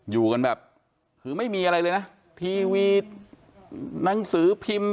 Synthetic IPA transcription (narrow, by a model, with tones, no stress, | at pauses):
juː˨˩ka˧nbɛː˨˩p̚ | kʰɯː˧˦ma˥˩jmiː˧ʔa˧ɾa˧jlɤː˧jna˦˥ | t̪ʰiː˧wi˧˩t̪̚ | na˩˦ŋsɯː˩˦pʰi˧m